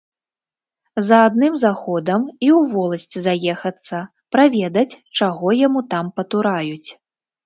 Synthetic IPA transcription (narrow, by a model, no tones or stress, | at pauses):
zɐːd̪̚nɨmzaxɔd̪ɐmiwvɔlˠɐsʲt͡sʲizajɛxɐt̪sːɐ | pɾavʲɛd̪ɐt͡sʲt͡ʂaɣɔjamut̪ampɐt̪uɾajut͡sʲ